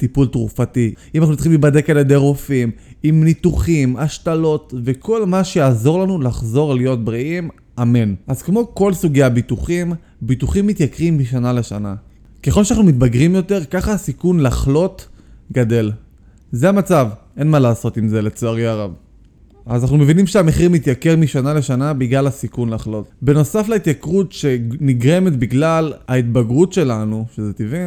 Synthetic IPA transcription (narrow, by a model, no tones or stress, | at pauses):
t̪ipult̪ʁufatiimanaχnut͡si̥χimlibade̞kaljed̪ejʁofimimnit̪uχimaʃtalo̞tve̞kʰo̞lmaʃejaːzo̞ʁlanulaχzo̞ʁlijo̞t̚bʁiʔim | amenʔazkmo̞ko̞lsuɡejabituχim | bituχimːit̪jakʁimbiʃanaleʃana̰ | ke̞χo̞lʃeanaχnumit̪baɡʁimjo̞te̞ʁkaχasikunlaχlo̞tɡade̞l | zeamat͡sav | e̞nmalaːso̞t̪imze̞let͡soaʁjaʁav | azanaχnume̞vinimʃeame̞χimit̪jake̞ʁmiʃanale̞ʃanabiɡlalhasikunlaχlo̞t̪be̞no̞saflait̪jakʁutʃe̞niɡʁe̞met̪biɡlalait̪baɡʁutʃe̞lanuʃezet̪ivin